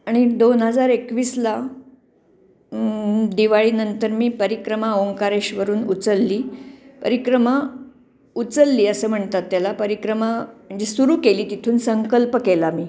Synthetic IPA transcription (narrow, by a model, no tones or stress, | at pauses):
aɽ̃id̪onɦəd͡zaɾekʋiːsla | d̪iʋaɭiːnənt̪əɾmiːpəɾikɾəmaoŋkaɾeɕʋəɾuːnut͡səlːiːpə̰ɾikɾəma | ut͡səlːiːəsəm̤əɳt̪at̪ːjalapəɾikɾəmam̤əɳd͡ʑesuɾuːkeliːt̪it̪ʰuːnsəŋkəlpəkelamiː